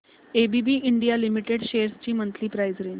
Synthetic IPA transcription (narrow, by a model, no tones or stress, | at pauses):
ebibiːʔiɳɖijalimiʈeɽɕeɾst͡ɕiːmənt̪ʰliːpɾajzɾiːn